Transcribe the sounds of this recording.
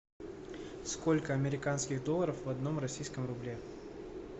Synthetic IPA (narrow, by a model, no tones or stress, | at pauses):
sko̞lʲkəɐmʲɪɾʲɪkanskʲɪɣd̪o̞lˠəɾəfvɐd̪no̞mrɐsʲijskəmrʊblʲe